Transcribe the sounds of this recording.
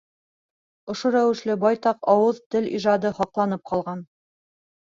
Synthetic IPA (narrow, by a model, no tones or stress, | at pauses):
ŏʃoɾæwɘ̆ʃlɘbɑjt̪ɑqɑwɤðt̪ɘliʒɑd̪ɤhɑqlˠɑnɤp̚qɑlˠʁɑn